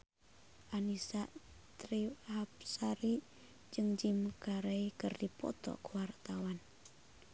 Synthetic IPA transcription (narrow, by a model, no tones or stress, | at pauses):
ʔanisa | t̪ɾihap̚saɾi | d͡ʒɨŋd͡ʒimkaɾeikɨrdipɔ̰t̪ɔ̰kəwart̪awan